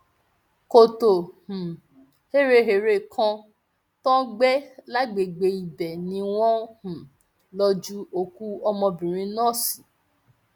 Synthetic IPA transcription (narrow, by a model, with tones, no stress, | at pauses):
ko˨to˨hũ˨ | he˦˨ɾe˧ɦe˨ɾe˧˨kʰã˧ | tɔ̃˦ɡ͡bɛ˦la˦ɡ͡be˨ɡ͡be˨˦i˨bɛ˨nĩ˨˦w̃ɔ̃˦hũ˨ | lɔ˧d͡ʒu˦o˦˨ku˦ɔ˧mɔ̃˧bĩ˨ɾ̃ĩ˧˦nɔ̃˦˨si˨